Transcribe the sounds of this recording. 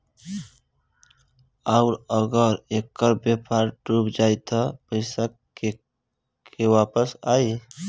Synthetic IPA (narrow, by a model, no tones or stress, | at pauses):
aʊɾəɡəɾeːkːəɾbjepʰaːɾʈuːbd͡ʒaːit̪ʰapəɪsa | kewaːpəsaːi